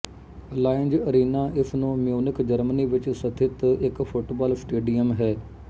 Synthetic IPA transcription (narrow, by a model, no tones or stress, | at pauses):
əlaːɪnd͡ʒəɾiːnãːʔɪsnõːmɪjoːnɪkd͡ʒəɾməniːʋɪt͡ʃsət̪ʰɪt̪ɪkfʰʊʈbaːlsʈeːɖijəmɦɛː